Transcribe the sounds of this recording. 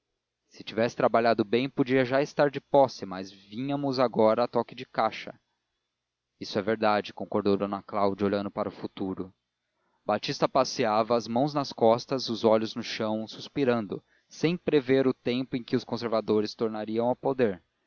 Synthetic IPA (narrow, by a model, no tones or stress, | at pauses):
sɪt͡ʃivɛsɪ̥t̪ɾabaʎad̪ʊbẽj̃pod͡ʒiɐʒaɪst̪aɾd͡ʒɪpɔsɪmɐzvĩɲɐmʊzaɡɔɾɐːt̪ɔkɪd͡ʒɪkaʃɐ̰ | isʊɛveɾd̪ad͡ʒɪkõŋkoɾd̪owd̪onɐklawd͡ʒioʎɐ̃nd̪ʊpaɾɐʊfut̪uɾʊ | bat͡ʃist̪ɐpasiavɐːzmɐ̃w̃znɐskɔst̪ɐzʊzɔʎʊznʊʃɐ̃w̃suspiɾɐ̃nd̪ʊ | sẽj̃pɾeveɾʊt̪ẽmpʊẽj̃kɪʊskõseɾvad̪oɾɪst̪oɾnaɾiɐ̃w̃ɐpod̪eɾ